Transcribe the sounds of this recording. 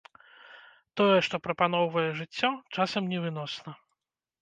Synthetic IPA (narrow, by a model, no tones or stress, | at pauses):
t̪ɔjɛʂt̪ɔpɾɐpan̪ɔwvɐjɛʐɨt͡sʲːɔt͡ʂasɐmnʲɛvɨnɔsnɐ